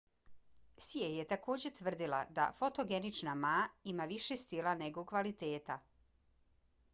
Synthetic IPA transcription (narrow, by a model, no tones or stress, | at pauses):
siejet̪ako̞ːd͡ʑet̪ʋr̩d̪ila̰d̪a̰fo̞t̪oɡe̞nit͡ʃnamaːimaʋiʃest̪ilˠane̞ɡokʋalit̪eːt̪a